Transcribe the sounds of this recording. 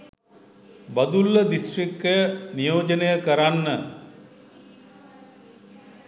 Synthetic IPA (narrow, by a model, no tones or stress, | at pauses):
bad̪ulːəd̪isʈrik̚təjənijoːd͡ʒənəjəkəɾanːə